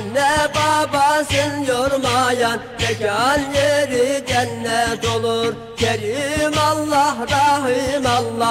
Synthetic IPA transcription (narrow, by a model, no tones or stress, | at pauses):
nːɛbɑbɑsɨnjoɾmɑjɑnb̪ɛkɑɑnjeɾid͡ʒɛnːɛd̪olˠuɾ | kʲʰɛɾimɑlˠːɑhɾɑɦimɑlˠːɑ